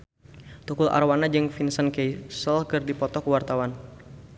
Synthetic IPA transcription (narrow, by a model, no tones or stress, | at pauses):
t̪ukulʔa̰rwanad͡ʒɨŋfinsənkejsəlkərdipɔt̪ɔkəwart̪awan